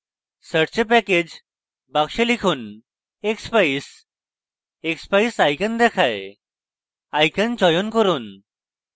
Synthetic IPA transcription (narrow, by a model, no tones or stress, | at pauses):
səɽt͡ɕepɛked͡ʑ | bakɕelikʰuːn | ekspais | ekspaisajkənd̪ɛkʰaj | ajkənt͡ɕɔjonkəɾuːn